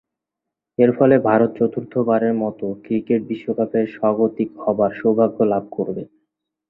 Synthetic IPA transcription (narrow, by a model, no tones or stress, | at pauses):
eɾfɔlebʱaɾot̪̚t͡ɕɔt̪uɾt̪ʰobaɾeɾmɔt̪okɾikeʈ̚biʃːokapeɾʃɔɡot̪ikhɔbaɾʃobʱaɡʱːolab̚ʱkoɾbe